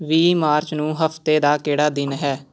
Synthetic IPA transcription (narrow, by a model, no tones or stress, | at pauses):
ʋiːmaːɾt͡ʃnũːɦəfʰt̪eːd̪aːkeːɽaːd̪ɪnɦɛː